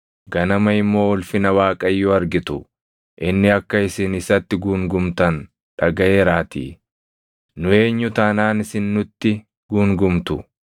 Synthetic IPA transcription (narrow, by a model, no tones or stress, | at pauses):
ɡɐnɐmɐɪmːo̞ːɔlfɪnɐwaːkʼɐjːʊɐɾɡɪt̪ʊ | ʔɪnːɪɐkːɐɪsɪnɪsɐt̪ːɪɡuːŋɡʊmt̪ɐn | ᶑɐɡɐe̞ːɾaːt̪ḭː | nʊe̞ːɲːʊt̪anaːnɪsɪnːʊt̪ːɪ | ɡ̥uːŋɡʊmt̪ʊ